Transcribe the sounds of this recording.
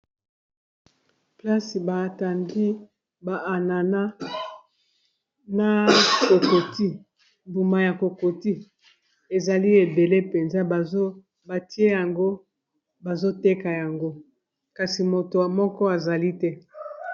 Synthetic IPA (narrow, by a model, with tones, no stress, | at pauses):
pla˦si˨ba˨ta˨ŋdi˦ | ba˨a˨na˨na˦ | na˨ko˨ko˨ti˦ | mbu˨ma˨ja˨ko˨ko˨ti˦ | e˨za˨li˦e˨be˨le˦pe˨nza˦˨˦ | ba˨ti˦e˦ja˨ŋɡo˦ | ba˨zo˦te˦ka˨ja˨ŋɡo˦ | ka˨si˨mo˨to˨a˨mɔ˦kɔ˦a˨za˨li˦tɛ˦